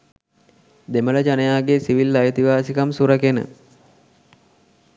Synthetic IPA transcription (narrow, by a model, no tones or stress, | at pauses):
d̪emələd͡ʒanəjaːɡesiʋilːajət̪iʋaːsikamsuɾəkenə̰